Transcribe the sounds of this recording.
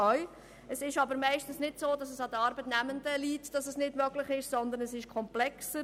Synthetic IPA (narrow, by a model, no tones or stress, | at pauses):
œʏ | əsɪʃɑbəɾmɛɪʃtn̩snɪdsoːdɑsəsɑdəɑɾbətnæməndəliːtd̥ɑsəsnɪdmœɡlɪχɪʃsɔnd̪əɾnəsɪʃkʰɔmplɛksə